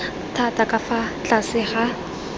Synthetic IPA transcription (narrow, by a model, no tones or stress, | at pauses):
tʰatʼakʼafat͡ɬʼasɪχa